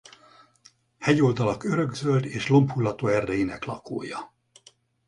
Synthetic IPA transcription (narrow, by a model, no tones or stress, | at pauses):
hɛɟold̪ɒlɒkøɾøɡzøld̪eːʃlo̞mphulːɒt̪oːɛrd̪ɛjinɛklɒko̰ːjɒ